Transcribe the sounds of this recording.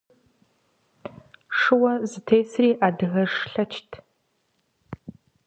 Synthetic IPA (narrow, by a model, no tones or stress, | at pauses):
ʂɨwɐzɨtʰeːsriːʔaːdɨɣɐʐɬɐt͡ʃʰtʰ